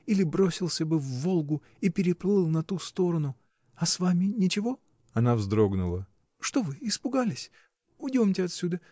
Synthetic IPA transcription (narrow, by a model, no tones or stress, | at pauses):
ilʲɪbɾo̞sʲɪlˠsʲəbɨvːo̞lˠɡʊ | ipʲɪɾʲɪplˠɨlˠnɐt̪ust̪o̞ɾənʊ | ɐsvamʲɪnʲɪt͡ɕɪvo̞ | ɐnavzd̪ɾo̞ɡnʊlˠə | ʂt̪o̞vɨɪspʊɡalʲɪsʲ | ʊdʲomtʲɪɐt̪ʲsʲud̪ə